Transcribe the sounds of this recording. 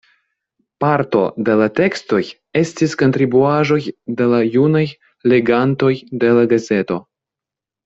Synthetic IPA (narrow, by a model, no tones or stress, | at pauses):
paɾto̞̰de̞late̞ksto̞j | e̞stisko̞nt̪ɾibuaʒo̞jde̞lajunaj | le̞ɡanto̞jde̞laɡaze̞to̞